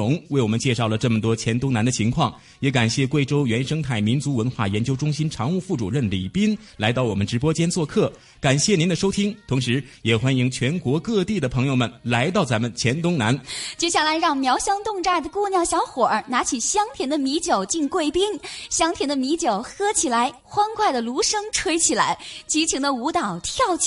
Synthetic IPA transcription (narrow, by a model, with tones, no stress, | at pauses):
ʊ˧˥ŋwe˥˩ɪwɔ˨˩mə˦nt͡ɕjɛ˥˧ʂɑ˥˩ʊlə˩ʈ͡ʂɤ˥˩mə˩t̪̬wɔ˥t͡ɕʰjɛ˧˥nt̪ʊ˥ŋna˧˥nd̪ə˧t͡ɕʰi˧˥ŋkʰwɑ˥˩ŋ | jɛ˧˥ka˨˩nɕjɛ˥˧kwe˥˩ɪʈ͡ʂo˥ʊɥɛ˧˥nʂɤ˥ŋt̪ʰa˥˩ɪmi˧˥nt͡su˧˥wə˧˥nxwa̰˥˩jɛ˧˥nt͡ɕjo˥ʊʈ͡ʂʊ˥ŋɕi˥nʈ͡ʂʰɑ˧˥ŋu˥˧fu˥˩ʈ͡ʂu˨˩ɻə˥˩nlḭ˨˩pi˥n | la˧˥ɪɑ˥˩ʊwɔ˨˩mə˦nʈ͡ʂɻ̩˧˥pwɔ˥t͡ɕjɛ˥nt͡swɔ˥˧kʰɤ˥˩ | ka˨˩nɕjɛ˥˩ni˧˥nd̪ə˧ʂo˥ʊt̪ʰi˥ŋt̪ʰʊ˧˥ŋʂɻ̩˧˥jɛ˨˩xwa˥ni˧˩ŋt͡ɕʰɥɛ˧˥nkwɔ˧˥kɤ˥˧t̪i˥˩d̪ə˩pʰɤ˧˥ŋjo˧ʊmə˩nla˧˥ɪt̪ɑ˥˩ʊt͡sa˧˥mə˨nt͡ɕʰjɛ˧˥nt̪ʊ˥ŋna̰˧˥nt͡ɕjo˥˧ʊɕjɑ˥˩la˧˥ɪɻɑ˥˩ŋmjɑ˧˥ʊɕjɑ˥ŋt̪ʊ˥˧ŋʈ͡ʂa˥˩d̪ə˩kwɔ˥˧njɑ˥˩ʊɕjɑ˧˥ʊxwɔ˨˩na˧˥t͡ɕʰi˨˩ɕjɑ˥ŋt̪ʰjɛ˧˥nd̪ə˧mi˧˥t͡ɕjo˨˩ʊt͡ɕi˥˧ŋkwe˥˩ɪpi˥nɕjɑ˥ŋt̪ʰjɛ˧˥nd̪ə˧mi˧˥t͡ɕjo˨˩ʊxɤ˥t͡ɕʰi˨˩la˧˥ɪ | xwa˥nkwa˥˩ɪd̪ə˩lu˧˥ʂɤ˥ŋʈ͡ʂʰwe˥ɪt͡ɕʰi˨˩la̰˧˥ɪt͡ɕi˧˥t͡ɕʰi˧˥ŋd̪ə˧u˧˥t̪ɑ˨˩ʊt̪ʰjɑ˥˧ʊt͡ɕ